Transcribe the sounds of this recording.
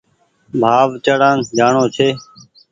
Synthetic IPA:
bʱaːʋt͡ʃəɽãːnd͡ʒaːɳõːt͡ʃʰeː

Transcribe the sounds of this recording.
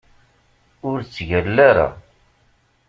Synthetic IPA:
ʊɾt͡sːʝəlːaɾa̰

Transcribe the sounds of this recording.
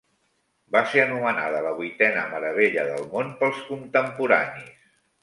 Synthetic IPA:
baseənumənaðələβ̞ujt̪ɛnə̰məɾəβ̞eʎəðəlˠmonpəlˠskunt̪əmpuɾa̰nis

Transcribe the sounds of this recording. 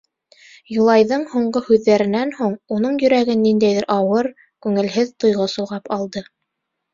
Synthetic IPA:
julˠɑjðɤɴhuɴɢohʉðːæɾɘ̆nænhuɴunɤɴjɵ̆ɾæɡɘnːind̪æjðɘɾʔɑwɤɾ | kʉŋɘ̆lɦɘðt̪ŏjʁosŏlˠʁɑpɑlˠd̪ɤ

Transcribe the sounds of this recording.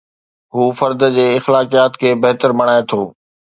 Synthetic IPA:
ɦuːfɐɾd̪d͡ʑeːɪxlaːkijaːt̪kʰeːbɐɦt̪əɾmɐɽ̃aːet̪ʰoː

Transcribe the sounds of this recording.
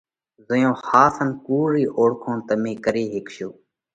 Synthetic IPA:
zəjõːhaːsʰənkuːɾiːʔoːɽkʰõːnt̪əmẽːkəɾeːɦɪkʃoː

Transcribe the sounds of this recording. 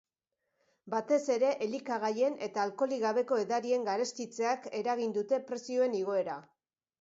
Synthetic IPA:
bat̪e̞se̞ɾe̞ʔelikaɣaje̞ne̞t̪aːlko̞liɣaβe̞ko̞e̞ðaɾie̞ŋɡaɾe̞st̪it͡se̞ake̞ɾaɣ̞ind̪ut̪e̞pɾe̞sio̞e̞niɣ̞o̞e̞ɾa

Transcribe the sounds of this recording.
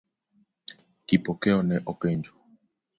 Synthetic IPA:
kipɔkɛɔnɛʔɔkɛɲd͡ʒɔ

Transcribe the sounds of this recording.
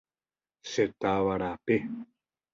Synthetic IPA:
set̪aβaɾape

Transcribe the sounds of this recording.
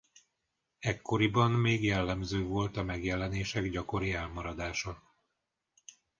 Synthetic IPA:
ɛkʰːo̞ɾibɒnmeːɡjɛlːɛmzøːvo̞lt̪ɒmɛɡjɛlɛneːʃɛɡɟɒko̞ɾiɛlmɒɾɒd̪aːʃɒ

